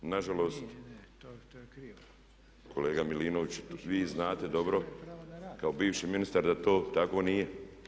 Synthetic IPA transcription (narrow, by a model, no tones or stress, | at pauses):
naʒalo̞ːst̪ | kʰo̞leːɡamiliːnoʋit͡ɕʋiːznaːt̪e̞d̪o̞bɾo̞ | kaobiːʋʃiminist̪aɾd̪at̪oːt̪ako̞ːnije